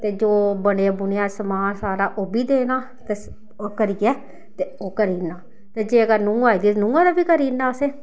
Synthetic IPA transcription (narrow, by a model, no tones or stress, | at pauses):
t̪eːd͡ʒoːbəɽeːbʊnɪjãːsəmaːnsaːɾaːʔoːbiːd̪eːnaː | t̪eː | okəɾiːɛː | t̪eːoːkəɾiːnaː | t̪eːd͡ʒeːəɡənũːaːiːd̪iːt̪nũːãːd̪aːbiːkəɾiːnːaːəseː